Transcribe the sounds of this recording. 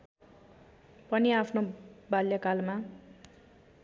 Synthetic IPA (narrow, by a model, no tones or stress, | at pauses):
pʌniapʰnobaljakalma